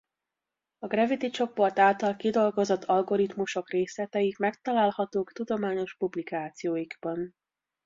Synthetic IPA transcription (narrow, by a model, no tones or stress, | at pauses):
ɒɡrɛvit̪it͡ʃo̞po̞rt̪aːlt̪ɒlkid̪o̞lɡo̞zo̞t̪ʰːɒlɡo̞ɾit̪muʃo̞kreːslɛt̪ɛjikmɛkt̪ɒlaːlhɒt̪oːkt̪ud̪o̞maːɲo̞ʃpublikaːt̪sijoːjiɡb̥ɒn